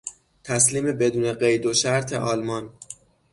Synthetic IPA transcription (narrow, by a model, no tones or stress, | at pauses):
t̪ʰæsliːme̞be̞d̪uːne̞ɢejd̪oʃæɾt̪ʰe̞̰ʔɒːlmɒn